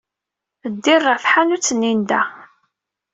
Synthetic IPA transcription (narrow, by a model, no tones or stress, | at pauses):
əd̪ːirˤːɑθħanut͡sːənːind̪æ